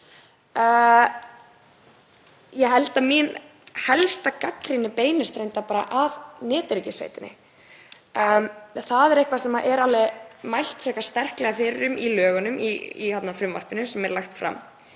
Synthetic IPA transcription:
jɛɦɛlt̪aðminhɛlst̪akakɾɪnːɪpeːjnʏst̪ɾejnt̪apaːɾa̰ʔavnɪːt̪ʏɾcɪsvḛjt̪ɪnɪ̰ | mθaðɛɾehkvasɛmaʔɛɾalɛɣmajl̥t̪fɾɛhkast̪ɛr̥klɛɣafɪɾɾʏmilœːɣʏnʏmḭḭhat̪nafɾʏmva̰r̥pɪnʏsɛmɛɾlaxt̪fɾa̰m

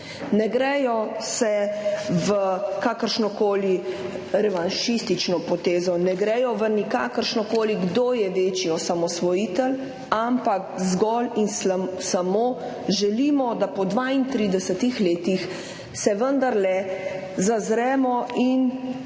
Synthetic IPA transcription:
nɛɡɾɛjɔsɛʋəkakəɾʃnɔkoːli | ɾɛʋanʃist̪it͡ʃnɔpɔt̪eːzɔnɛɡɾɛjɔʋənikakəɾʃnɔkoːliɡd̪oːjɛʋeːt͡ʃiɔsamɔsʋɔjiːt̪əl | ampakzɡɔlinsamoː | ʒɛliːmɔd̪apɔd̪ʋaint̪ɾiːd̪ɛsət̪ixleːt̪ix | sɛʋənd̪aɾlɛ | zazɾɛːmɔʔin

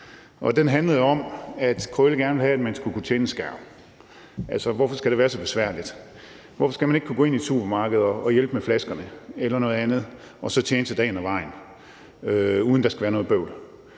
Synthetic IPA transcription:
ʔɒ̽d̥enɦænləð̩ˠɒ̽mæd̥kʰɔlɡ̥æɐnəʋe̝hææd̥mænsɡ̥ukʰut͡ɕʰeːnəsɡ̥æɐ̰ | ʔæl̰sɐʋɒfɒ̽sɡ̥æd̥e̝ʋæːɐsɒ̽b̥e̝sʋæɐ̰lid̥ | ʋɒfɒ̽sɡ̥æmæne̝ɡ̥̚kʰuɡo̰ːe̝nid̥sṵb̥ɐmɑ̈ːɡ̥əð̞̩ˠɒɒ̽jel̰b̥meflæsɡ̥ɐnəelɐnɔ̽ːð̞̩ˠænð̞̩ˠ | ɒ̽sɒ̽t͡ɕʰeːnəsæd̥ɛ̰ːɪnɒʋɑ̈ɪ̰n | øuðˠnd̥ɑ̈sɡ̥æʋæːɐnɔ̽ːðˠb̥øʊ̰l

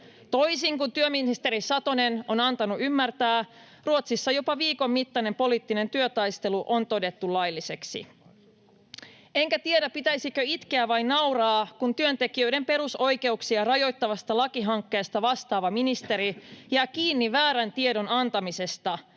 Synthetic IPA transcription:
t̪o̞jsiŋkunt̪yøminist̪e̞ɾisɑt̪one̞no̞nɑnt̪ɑnuʔymːært̪æː | ruot̪sisːɑjo̞pɑʋiːko̞mːmit̪ːɑne̞mpo̞liːt̪ːine̞nt̪yøt̪ɑjst̪e̞luʔont̪o̞de̞t̪ːulɑjlːise̞ksḭ | e̞ŋkæt̪iedæppit̪æjsikøit̪keæʋɑjnnɑwrɑːkunt̪yø̞nt̪e̞k̟iø̞jde̞mpe̞ɾuso̞jke̞uksiɑrɑjo̞jt̪ːɑʋɑst̪ɑlɑkiɦɑŋkːe̞ːst̪ɑʋɑst̪ɑːʋɑminist̪e̞ɾijɑkiːnːiʋæːɾænt̪ie̞do̞nɑnt̪ɑmise̞st̪ɑ

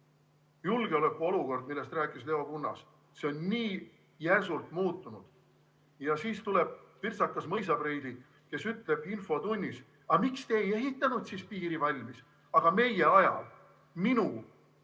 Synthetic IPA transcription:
julɡ̥e̞o̞lekːˑuo̞luko̞rd̪̚milːe̞st̪ræːkːˑisle̞o̞kunːɑ̰s | se̞o̞nːiː | jæs̬ult̪muːt̪ːˑunud̪̥ | jɑsiːst̪ule̞b̥̚pirsɑkːˑɑsmɤjs̬ɑbred̪̥i | ke̞syt̪ˑle̞b̥info̞t̪unʲːis | ɑmikst̪e̞eje̞ɦit̪ːˑɑnud̪sispiːɾivɑlʲmis | ɑɡ̥ɑme̞je̞ɑjɑ̰l | minu

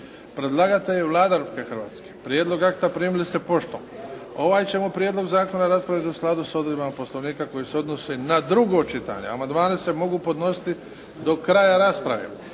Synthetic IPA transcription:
pɾed̪lˠaɡat̪eeʋlˠaːd̪aɾupkexɾrʋa̰ːt̪skepɾʲjed̪lˠo̞ɡakt̪apɾiːmilisepo̞ʃt̪o̰mo̞ʋaːjt͡ɕe̞mopɾjed̪lo̞ɡzaːko̞naɾaspɾaʋjit̪iusklˠad̪usod̪ɾobamapo̞sloʋniːkako̞jiseo̞d̪nosenad̪ɾuɡoːt͡ʃit̪a̰ɲḛa̰mand̪maːnese̞mo̞ɡupo̞d̪no̞si̥t̪i | d̪o̞kɾaːjaɾaspɾa̰ʋḛ

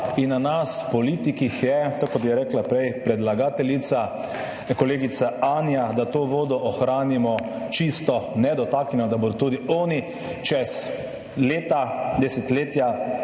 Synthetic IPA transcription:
inːanaspɔliːt̪ikixjɛt̪okɔt̪jɛɾɛːklapɾɛjpɾɛd̪laɡaːt̪ɛlit̪sa | kɔleːɡit̪saaːnjad̪at̪oːʋoːd̪ɔʔɔxɾaːnimɔ | t͡ʃist̪ɔnɛd̪ɔt̪aːknʲɛnɔd̪aboɾt̪uːd̪iɔːni | t͡ʃɛs | leːt̪ad̪ɛsɛt̪leːt̪ja

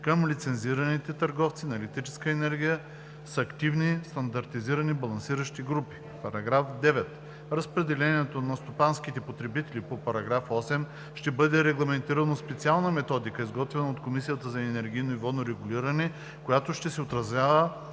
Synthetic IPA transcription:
kəmlit̪sɛnziɾɐnit̪ɛt̪ɐɾɡɔft̪sinɐɛlɛk̚t̪ɾit͡ʃɛ̥skəɛnɛɾɡʲijə | sɐkt̪ivnist̪ɐnd̪ɐɾt̪iziɾɐnibɐlˠɐnsiɾəʃt̪iɡɾupi̥ | pɐɾɐɡɾafd̪ɛvɛt̪ | ɾɐspɾɛd̪ɛlɛniɛt̪onɐst̪opanskit̪ɛpot̪ɾɛbit̪ɛlipopɐɾɐɡɾafɔsɛm | ʃt̪ɛbɤd̪ɛɾɛɡlˠɐmɛnt̪iɾɐnospɛt̪sialˠnəmɛt̪ɔd̪ikəizɡɔt̪vɛnɐot̪komisijət̪əzɐɛnɛɾɡʲijnoivɔd̪noɾɛɡʊliɾɐnɛ | kojat̪oʃt̪ɛsɛot̪ɾɐzvʲjavə

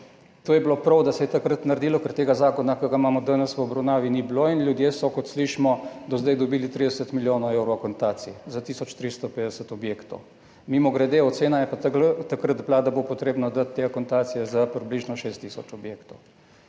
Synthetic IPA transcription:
t̪oːjɛblopɾɐwd̪asɛjɛt̪akɾət̪naɾd̪iːlɔkəɾt̪eːɡazaːkɔnakəɡaimaːmɔd̪ənəsʋəɔbɾɐwnaːʋinibloinlʲjud̪jesɔkɔt̪sliʃimɔd̪ɔzd̪ajd̪ɔbiːlit̪ɾid̪ɛsət̪miljoːnoewɾokont̪aːt̪sizat̪iːsɔt͡ʃt̪ɾist̪ɔpeːd̪ɛsət̪ɔbjeːkt̪ɔw | mimɔɡɾɛd̪eːɔt̪seːnajɛpat̪akɾəd̪blad̪abopɔt̪ɾeːbnad̪at̪ːeakont̪aːt̪sijɛzapɾibliːʒnɔʃeːst̪ːisɔt͡ʃɔbjeːkt̪ow

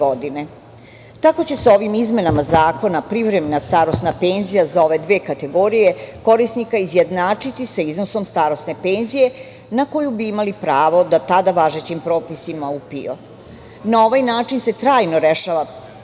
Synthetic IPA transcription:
od̪ine̞ | t̪ako̞t͡ɕe̞seo̞ʋimizme̞namazaːko̞napɾiʋɾemenast̪aɾo̞st̪nape̞ːnzijazao̞ʋe̞d̪ʋeːkat̪e̞ɡo̞ɾije̞ko̞ɾisnikaizje̞d̪naːt͡ʂit̪isaizno̞so̞mst̪aːɾo̞st̪ne̞pe̞ːnzije̞ | nako̞jubiimalipɾaːʋo̞d̪at̪ad̪aʋaʒet͡ɕimpɾo̞ːpisimaupḭo̰ | nao̞ʋajnaːt͡ʃinse̞t̪ɾaːjno̞ɾe̞ʃaʋa

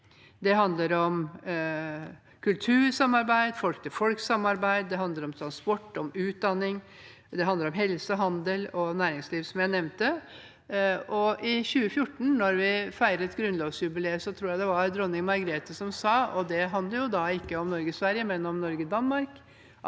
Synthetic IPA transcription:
d̪ɛɦɑnd̪ləɾɔm | kʰʉlt̪ʰʉːɾsɑmːɑɾbæɪd̪fɔlkt̪ʰəfɔlksɑmːɑɾbæɪd̪d̪ɛɦɑnd̪ləɾɔmt̪ʰɾɑnspɔʈːɔmʉːt̪̚d̪ɑnːɪŋ | d̪ɛɦɑnd̪əɾɔmɦɛlsəɦɑnd̪əlɔnæːɾɪŋsliːʋsɔmjæɪnɛʋnt̪ə | ɔʔɪɕʉːəfjʊʈːɳ̩nɔɾʋɪfæɪɾəɾɛt̪ɡɾʉnlɑːʋsjʉbɪleːsɔt̪ʰɾuːɾjæɪd̪ɛʋɑɾd̪ɾɔnːɪŋmɑɾɡɾeːt̪əsɔmsɑːɔd̪ɛɦɑnd̪ləɾjʊd̪ɑɪkːəɔmnɔɾɡəsʋæɾjəmɛnːɔmnɔɾɡəd̪ɑnmɑɾk

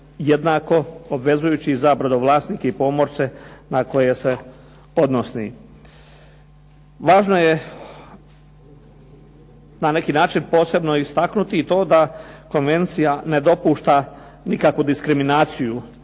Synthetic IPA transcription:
jed̪naːko̞obʋe̞zujuːt͡ɕizaːbɾad̪oʋlˠaːsnikeipo̞ːmo̞ɾse̞nako̞je̞se̞ | o̞d̪nosni | ʋaːʒnoje | nane̞kinaːt͡ʃinpo̞ːse̞bno̞ist̪aknut̪iːt̪o̞ːd̪ako̞nʋe̞nt̪sijane̞d̪o̞puːʃt̪a | nikakʋud̪iskɾiminaːt̪siju

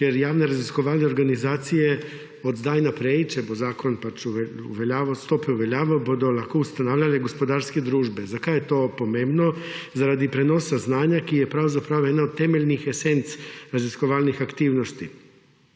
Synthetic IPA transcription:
jeɾjaːʋneɾaziskoʋaːlneoɾɡanizaːt̪sije | od̪d̪aːjnapɾeit͡ʃɛbozaːkonpat͡ʃuuʋeʎaːʋost̪opɛuʋeʎaːʋabod̪olakoust̪anaːwʎaleɡospod̪aːɾsked̪ɾuːʒbezakajet̪opomẽːmbnozaɾad̪ipɾenosaznaːɲakijepɾawzapɾawjed̪naod̪̚t̪ːemeʎnixesent̪sɾaziskoʋalnixakt̪iːwnost̪i

